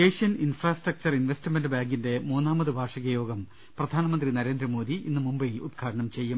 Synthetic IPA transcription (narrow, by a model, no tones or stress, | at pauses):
eːʂjɐninfraːsʈrɐk̚t͡ɕɐrinʋestimendɨbaːŋɡinde̞muːnːaːmɐðɨbʱaːʂɐɣɐjo̞ːɡɐm | prɐd̪ʱaːnɐmɐnd̪rinɐɾe̞ːnd̪ɾɐmo̞ːðiʔḭnːɨmumbɐjilṵd̪̚ɡʰʱaːɽɐɳɐmt͡ɕe̞jːu